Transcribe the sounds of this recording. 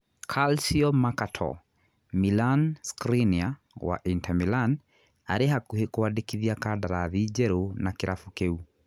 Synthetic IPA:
kʰalsiɔmakatʰɔ̰ | milanskɾinia | wa̰ʔintamilan | aɾɛɦakuhɛkuwaɗikiðiakaɗaɾaðid͡ʒɛɾunakiɾʔafukɛu

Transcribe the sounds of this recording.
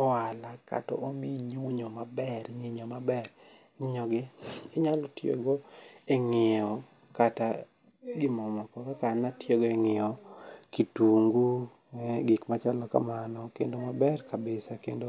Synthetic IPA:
ɔwalaka̰tɔ̰omiɲiɲomabɛɾɲiɲomabɛr | ɲiɲɔɡɪɪɲalotjo̰ɡoeŋɪɔ | kata | ɡɪmɔmɔkɔkɛkanatjeɡoeŋɪɔkituŋɡu | ɡɪkmat͡ʃalɔka̰manɔkḛndomabɛrkabɪsakḛndo

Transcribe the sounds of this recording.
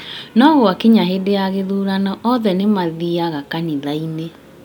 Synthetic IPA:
nɔɣwakeɲaɦedeaɣeðuɾanɔʔɔðɛnemaðiaɣakaniðaine

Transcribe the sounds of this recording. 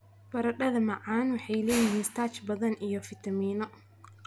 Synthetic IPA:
bɐɾɐɗɐðɐmɐʕaːnwɑħɛjlɛːjɪɦiɪnst̪ʰaːt͡ʃbɐðɐnʔijɔfɪt̪ʰɐmiːnɔ

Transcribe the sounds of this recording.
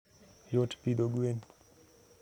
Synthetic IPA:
jotpid̪oɡen

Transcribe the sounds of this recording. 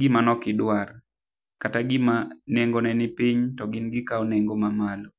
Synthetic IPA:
ɡɪmanɔkɪdwar | kataɡɪmaneŋɡonɛnɪpiɲtɔɡɪnɡɪkaɔneŋɡomamalo

